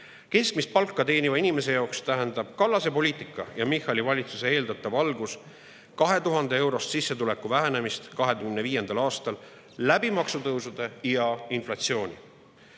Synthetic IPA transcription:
ke̞skmist̪̚pɑlkːˑɑt̪e̞ːnʲivɑinime̞s̬e̞jɑːokst̪æɦend̪ɑb̥kɑlːɑse̞po̞lʲiːt̪ˑikːˑɑ̰jɑmihɑlʲivɑlʲit̪suse̞e̞ːld̪ɑt̪ˑːɑvɑlɡus | kɑɦe̞t̪uɦɑnd̪̥e̞e̞wɾo̞st̪sisːet̪ule̞kːˑuvæɦæne̞mist̪kɑɦe̞d̪̥uɡmnːeviːje̞nd̪ɑlɑːst̪ɑlː | æbimɑksut̪ɤwsud̪̥e̞jɑinflɑt̪sio̞ːnʲḭ

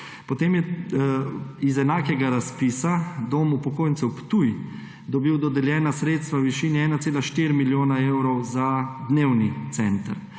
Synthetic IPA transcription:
pɔt̪eːmjɛ | izɛnaːkɛɡaɾaspiːsad̪oːmupɔkoːjnt̪sɛwpt̪uj | d̪ɔbiwd̪ɔd̪ɛljɛːnasɾeːt̪st̪ʋawʋiʃiːniɛːnat̪seːlaʃt̪iɾmiljoːnaewɾɔwzad̪neːwnit̪sɛnt̪ə̰ɾ

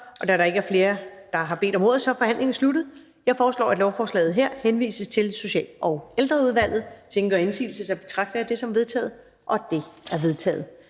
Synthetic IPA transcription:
ʔɒ̽d̥æɾɑ̈e̝ɡ̥əæɐfle̝ːɐd̥ɑ̈ɦɑ̈be̝̰ːd̥ɒ̽mʁo̝ːð̩ˠsɒ̽fɒ̽hæn̰le̝ŋn̩slud̥ð̩ˠ | jɑ̈ɪfɒːslɒ̰ːæd̥lɒʊfɒːslɛ̰ːð̞̩ˠɦeɐ̰henʋḭːsəst͡sʰe̝lso̝ɕɛ̰ːlɒ̽ʊeld̥ʁɐuð̞ˠʋæl̰ð̩ˠsʰeŋɡ̥ɐensḭːl̩səsɑ̈ɪb̥e̝̥t͡sʰʁɑ̈ɡ̥̚d̥əæd̥e̝sɒ̽mʋe̝ð̞ˠt͡sʰɛ̰ːð̩ˠ | ʔɒ̽d̥e̝æɐʋe̝ð̞ˠt͡sʰɛ̰ːð̞̩ˠ

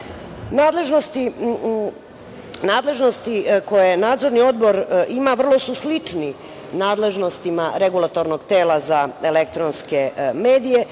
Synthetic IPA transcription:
naːd̪le̞ʒno̞st̪i | naːd̪le̞ʒno̞st̪iko̞jenaːd̪zo̞ɾnio̞d̪bo̞ɾimaʋr̩lˠo̞suslit͡ʂni | naːd̪le̞ʒno̞st̪imaɾeɡulˠat̪oɾnoɡt̪e̞ːlˠazaelek̚t̪ɾonske̞meːd̪ije̞

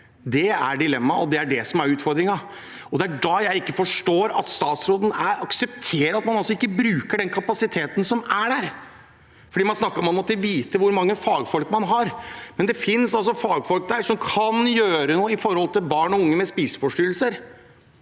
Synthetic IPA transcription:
d̪ɛæ̰ɖɪlɛmːɑɔd̪ɛæɖɛsɔmæɾʉːt̪fɔɾd̪ɾɪŋɑ | ɔd̪ɛæɖɑjæɪɪkːəfɔʂʈoːɾɑ̰t̪st̪ɑːt̪sɾoːd̪n̩æɾɑksɛpt̪ʰeːɾəɾɑt̪mɑnɑlsɔɪkːəbɾʉːkəɖɛnkʰɑpɑsɪt̪ʰeːt̪ən̩sɔmæɖæːɾ | fɔɖiːmɑnsnɑkːəɾɔmːɑnmɔt̪ːəʋiːt̪əʋʊɾmɑŋːəfɑːɡfɔlkmɑnɦɑɾmɛnd̪ɛfɪnsɑlsɔfɑːɡfɔlk̚d̪æːʂɔmkʰɑnjøːɾənuːəɪfɔɾhɔlt̪ɪlbɑːɳɔʊŋːəmɛspiːsə̥fɔʂʈyːlsəɾ

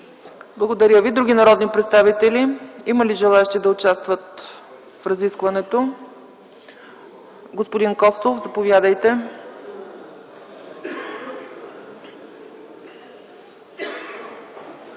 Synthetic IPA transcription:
blˠɐɡod̪ɐɾʲjəvid̪ɾuɡʲinɐɾɔd̪nipɾɛt̪st̪avit̪ɛliiməliʒɛlˠaɛʃt̪id̪ɐot͡ʃast̪vət̪ | fɾɐziskvɐnɛt̪o | ɡospod̪inkɔst̪ˠofzɐpovjad̪əjt̪ɛ

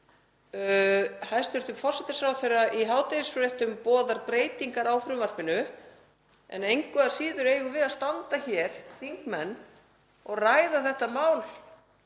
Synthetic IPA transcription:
hajst̪ʏɾ̥t̪ʏmfɔr̥sɛt̪ɪ̥sfɾawθeɾaʔiɦaːwt̪eɪsfɾeht̪ʏmpɔːðaɾpɾeːjt̪iŋkaɾawfɾʏmvar̥pɪnʏ | ɛ̰nejŋkvɛaɾ̥siːðʏɾeːjɣʏvɪðast̪ant̪açɛɾ̥θiŋkmɛnː | ɔɣrajðaθɛht̪amaːwl

